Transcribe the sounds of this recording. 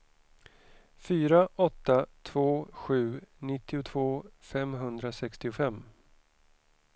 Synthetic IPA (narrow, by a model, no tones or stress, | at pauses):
fyːɾaʔɔt̪ːat̪ʰv̥oːɧʉ̟ːnɪt̪ːɪʊt̪ʰvoːfɛmɦɵnd̪ɾasɛkst̪ɪʊfɛmː